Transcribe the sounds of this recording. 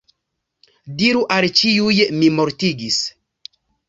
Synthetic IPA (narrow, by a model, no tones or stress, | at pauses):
diɾuʔalt͡ʃiujmimoɾtiɡis